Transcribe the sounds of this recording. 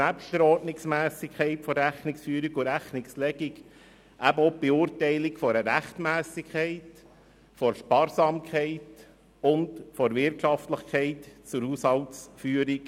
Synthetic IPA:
æpʃtəɾɔːɾtnɪksmæːsɪkʰɛɪtfɔɾɾæχnɪksfyːəɾiɡʊɾæχnɪkslɛɡɪɡ | ʔæbəob̥euːɾtɛɪlɪkfɔɾəɾæχtmæːsɪkʰχɛɪt | fɔɾʃpɑːɾsɑːmkχɛɪt | ʊndfɔɾʋɪɾtʃɑftləχkɛɪtt͡sʊɾhushɑltsfyːəɾik

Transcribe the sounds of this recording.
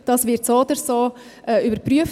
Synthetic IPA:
d̥ɑːsʋɪɾtsodəɾsoː | ʔɛːybəɾpɾyəf

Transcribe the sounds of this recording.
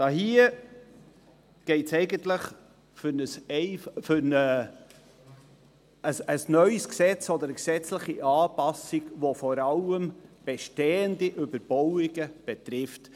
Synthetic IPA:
d̥ɑhiə | ɡ̥ɛɪtsɛɪɡəntlɪχ | fʏnəsɛɪffʏnə | əsəsnœʏsksɛt͡sɔd̪əɾəksɛt͡sləχiʔɑːpɑsɪɡvofɔɾɑləmb̥ɛʃtɛːəndiʔʏbəɾb̥ɔwɪɡəb̥ɛt̪ɾɪft

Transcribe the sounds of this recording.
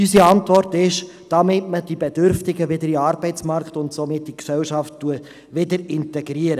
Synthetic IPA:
ysiɑntʋɔrtɪʃ | d̥ɑmɪtməd̥ibed̥ʏɾftɪɡəʋɪdəɾiɑːɾbɛɪt͡smɑrktʊntsomɪt̚d̥iksɛwʃɑftːuə | ʋɪdəɾɪntɛɡɾiəɾə

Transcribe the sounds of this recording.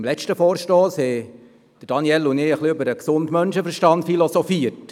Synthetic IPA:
mlɛʃtəfɔːɾʃtoːshɛ | d̥əɾd̥ɑnjɛlʊneːəχliøbəɾəksʊndmœnʃəfəɾʃtɑntfilɔsɔfiəɾt

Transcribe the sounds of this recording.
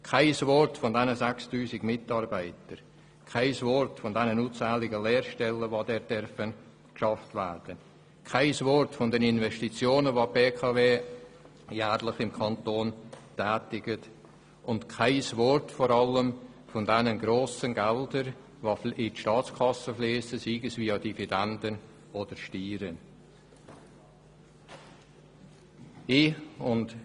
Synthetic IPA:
kʰaɪsvɔɾtfɔndɛnəzɛkstuːzɪɡmɪtɑɾbaɪtəɾ | kʰaɪsvɔɾtfɔndɛnənuːt͡saːlɪɡəlɛːɾʃtɛlːəvodɛːɾd̥ɛɾfən | kʃɑftvæ̰ːrd̥ən | kʰaɪsvɔɾtfɔndɛnɪnvɛstit͡sjoːnəvopeːkʰɑveː | jæːɾlɪχɪmkʰɑntoːntɛːtɪɡ̥ət | ʔʊntkʰaɪsvɔɾtfɔɾɑləm | fɔndɛnənɡɾoːsənɡɛldəɾ | voɪtʃtɑːt͡skʰɑsəfleːsəsiːɡəsviːɑdividɛndən | od̥əɾʃtiːɾən | ɪʊnd

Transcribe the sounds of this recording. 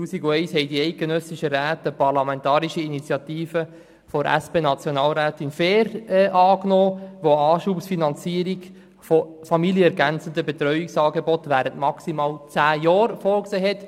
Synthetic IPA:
tuːsiɡuɛɪshɛɪdiɛɪt̚ɡ̥enœsiʃəɾæːtəpɑɾlɑmɛntɑːɾiʃəinit͡sjɑtiːfə | fɔɾʔæ̰speːnɑt͡sjɔnɑːlɾæːtinfeːɾɛʔɑːknoːʋoɑːʃuːpsfinɑnt͡siːəɾiɡ | fo | fɑmiljəɛɾɡænt͡sən̩dəbet̪ɾœʏiksɑːɡebɔtʋæːɾəntmɑksimɑːlt͡sæːjɔːɾfɔːɾkseːɦɛt

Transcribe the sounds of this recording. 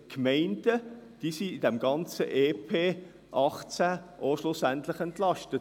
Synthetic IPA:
kmɛɪnd̥əd̥iːsiid̥ɛmɡɑnt͡səʔeːpʰeː | ʔɑχt͡sæʔoʃlʊsæntlɪχɛntlɑʃtət

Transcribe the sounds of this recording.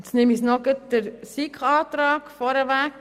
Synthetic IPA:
snɪmisnɔɡət̚d̪̥əɾsikχɑːt̪ɾɑːɡ̥fɔɾəʋæk

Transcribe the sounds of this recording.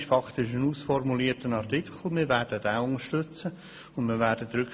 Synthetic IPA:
ʃfɑkt̪ɪʃənuːsfɔrmuliːətənɑrtikʰl̩ˠmɪːɾʋæːɾd̥ədɛʊŋəʃtʏt͡sə | ʊndmɪːʋæːɾdətɾʉk

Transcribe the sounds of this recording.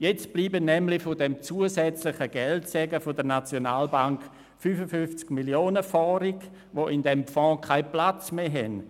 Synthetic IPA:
jɛt͡stb̥liːbənɛmlɪfʊdɛmt͡suːəsɛt͡slɪχəɡɛltsɛɡəfʊdəɾnat͡sjonaːlbaŋk | fyfəfyft͡skmiljoːnəfɔːɾik | ʋoʔɪndɛmfɔ̃ːkʰaɪplat͡smeːɦɛn

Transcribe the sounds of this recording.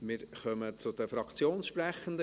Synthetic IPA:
mɪɾχœmət͡sʊd̪əfɾɑkt͡sjoːnsʃpɾɛχənd̪ə

